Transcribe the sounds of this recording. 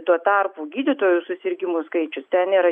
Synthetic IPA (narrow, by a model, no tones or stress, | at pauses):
t̪uɔt̪ɐrpuːɡʲiːd̪ʲɪt̪oːjʊsʊsʲɪɾʲɡʲɪmuskɐɪt͡ʃʲʊst̪ʲɛniːɾɐ